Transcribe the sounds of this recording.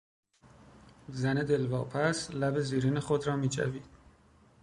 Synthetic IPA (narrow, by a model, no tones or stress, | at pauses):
zæned̪e̞lvɒːpʰæslæbe̞ziːɾiːnexod̪ɾɒːmiːt͡ʃʰæ̰viːd̪̥